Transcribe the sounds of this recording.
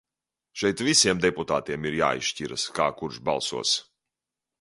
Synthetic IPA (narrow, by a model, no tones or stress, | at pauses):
ʃɛjt̪visiɛmd̪ɛput̪aːt̪iɛmiɾja̰ːḭʃʃciɾaskaːkuɾʃba̰lˠsṵɔs